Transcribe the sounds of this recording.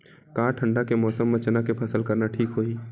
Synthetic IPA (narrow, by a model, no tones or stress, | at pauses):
kãːʈʰə̃ɳɖakemɔːsəmːə̃t͡ʃnakepʰɐsəlkɐɾnaʈʰiːkɦoːiː